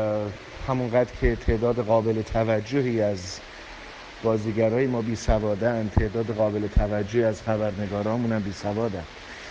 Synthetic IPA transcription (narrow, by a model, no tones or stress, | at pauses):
hæmunɡæːd̪ɾcʰe̞t̪ʰe̞ʔd̪ɒːd̪e̞ɣɒːbe̞let̪ʰævæd͡ʒːohiːæz | b̥ɒːziːɟæɾɒːjemɒːbiːsævɒːd̪eænd̪̚t̪ʰe̞ʔd̪ɒːd̪eɣɒːbe̞let̪ʰævæd͡ʒːohiæz̥xæbæɾne̞ɡɒːɾɒːmuːnæmbiːsævɒːd̪ænd̪̥